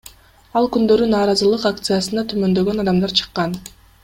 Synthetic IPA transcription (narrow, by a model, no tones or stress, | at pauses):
ɑlˠkynd̪ø̞ɾynɑːɾɑzɯlˠɯqak̚t̪sɨjasɯnɑt̪ʰymø̞nd̪ø̞ɡønɑd̪ɑmd̪ɑɾt͡ʃʰɯ̥qːɑn